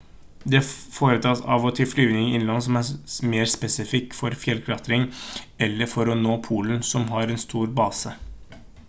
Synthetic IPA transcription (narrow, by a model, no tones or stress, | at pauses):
d̪ɛfoːɾət̪ʰɑːtsɑ̰ʋɔt̪ʰɪlflyːʋnɪŋɪnlɑnːsɔmæmeːɾspɛsɪfɪkːfɔɾfjɛlkʰɾɑt̪ɾɪŋɛlːəfɔɾɔnoːpʰuːlənsɔmɦɑɾɛnst̪ʰuːɾbɑːsə